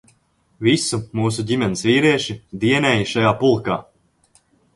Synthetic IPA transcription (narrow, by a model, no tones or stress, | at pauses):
visumuːs̬uɟʲimɛnisviːɾiɛʃid̪iɛnɛːjiʃajaːpulˠkaː